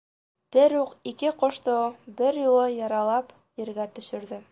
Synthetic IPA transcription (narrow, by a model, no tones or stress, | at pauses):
b̥ɘɾjuqikɘqŏʃt̪obɘɾjulˠɤjɑɾɑlˠɑp | jɘ̆ɾɡæt̪ɵ̆ʃɘ̆ɾðɘ